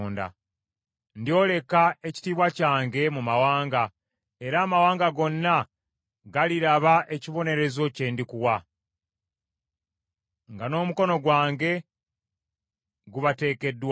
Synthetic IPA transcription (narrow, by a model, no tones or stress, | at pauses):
nda̰ | ndio̞ːle̞kae̞ci̥tiβwacaːŋɡe̞mumawaːŋɡa | e̞ɾaːmawaːŋɡaɡo̞nːa | ɡaliɾaβaʔe̞ciβo̞ne̞ɾe̞zo̞ce̞ːndikuwa | ŋɡano̞ːmuko̞no̞ɡwaːŋɡe̞ | ɡuβate̞ːke̞dːw